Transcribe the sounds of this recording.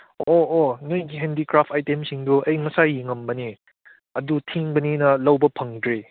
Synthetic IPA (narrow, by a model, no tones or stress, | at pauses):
oːnojɡiɦendikɾapʰtajtemsiŋduʔɐjmɐsajiŋɐmbɐni | ɐdutʰiŋbɐninɐlɐwbɐpʰɐŋdɾe